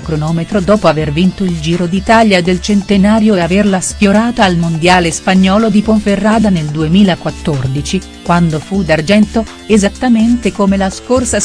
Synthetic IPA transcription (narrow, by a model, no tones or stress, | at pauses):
kɾonɔːmet̪ɾod̪ɔːpoavervint̪oild͡ʒiːɾod̪it̪aljaed̪ːelt͡ʃent̪enaːɾjoeaverlasfjoɾaːt̪aːlmond̪jaːlespaɲːɔːlod̪ipoɱferːaːd̪aneld̪uemiːlakwat̪ːord̪it͡ʃi | kwand̪ofud̪ard͡ʒɛnt̪o | ezat̪ːament̪ekomelaskorsa